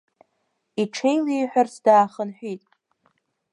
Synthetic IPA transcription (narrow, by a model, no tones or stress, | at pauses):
iʈ͡ʂʰejliːħʷᶣarsʰdaːχənħʷᶣitʼ